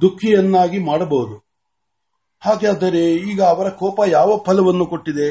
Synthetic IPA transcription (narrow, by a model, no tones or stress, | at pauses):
d̪ukʰːijɐnːaːɡimaːɽɐbɐwud̪u | haːɡeɐd̪ɐɾe̞iːɡɐːʋɐɾɐkɔːpɐjaːʋɐpʰɐlɐʋɐnːuko̞ʈːid̪e̞